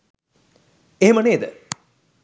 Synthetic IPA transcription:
eːmɐneːd̪ə

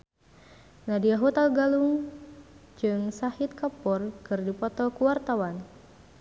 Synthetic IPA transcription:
nadiaɦut̪alɡaluŋ | d͡ʒɨŋsahɪt̪̚kapɔrkɨrdipɔt̪ɔkuwart̪awan

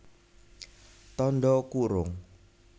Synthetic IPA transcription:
t̪ɔnɖɔkuɾʊŋ

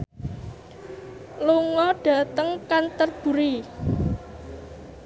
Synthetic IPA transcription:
luŋɔɖ̥ä̤t̪əŋkant̪ərb̥ṳɾi

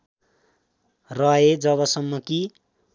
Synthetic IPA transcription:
rʌed͡zʌβʌsʌmːʌki

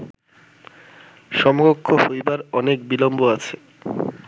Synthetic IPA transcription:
ʃɔmoɡokʰːohojbaɾɔnek̚bilomboat͡ɕʰe

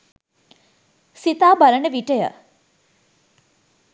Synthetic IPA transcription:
sit̪aːbɐɾəɳəʋiʈəjə̰

